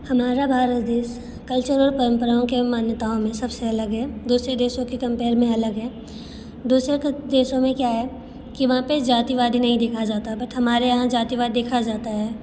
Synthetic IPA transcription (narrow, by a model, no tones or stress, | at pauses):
hɐmaːɾabʱaːɾət̪d̪eːs | kɐlt͡ʃəɾɔːɾpɐɾə̃mpəɾaõkemaːnjət̪aːõmẽsɐbseɐləɡɦɛːd̪uːsɾed̪eːʃõkekɐ̃mpeːɾmẽɐləɡɦɛː | d̪uːsɾekd̪eːʃõmẽkjaːɦɛː | kiʋɐɦãped͡ʒaːt̪iʋaːd̪inɐɦĩd̪eːkʰad͡ʒaːt̪aɦɛbɐʈʰɦɐmaːɾejɐɦãd͡ʒaːt̪iʋaːd̪id̪eːkʰad͡ʒaːt̪aɦɛː